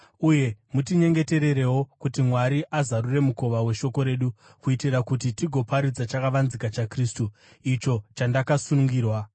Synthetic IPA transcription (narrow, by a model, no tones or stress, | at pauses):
uje̞mutiɲe̞ŋɡe̞te̞ɾe̞ɾe̞wo̞kutimwaɾiʔazaɾure̞muko̞ʋawe̞ʃo̞ko̞ɾe̞ːɗu | kuitirakutitiɡʱo̞paɾid͡zat͡ʃakaʋanzikat͡ʃakristu | it͡ʃo̞t͡ʃandakasunuŋɡiːrwa